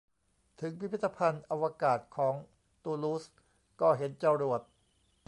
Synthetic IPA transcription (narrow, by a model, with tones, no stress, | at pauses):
t̪ʰɯ˩˦ŋpʰi˦˥˦t̪ːa˧pʰa˧nʔa˧wa˧kaː˨˩t̪̚kʰɔː˩˦ŋ | t̪uː˧luː˦˥s | kɔː˥˩ɦe˩˦nt͡ɕa˧ɾu˨˩ət̪̚